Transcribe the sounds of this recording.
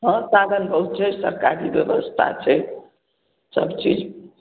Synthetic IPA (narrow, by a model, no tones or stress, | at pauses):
ɦʌ̃sad̪ʱənbʱəɦut̪̚t͡ʃʰɛsəɾkaɾibjeʋəst̪ʰa̰t͡ʃʰɛ | sə̰bt͡ʃid͡ʒ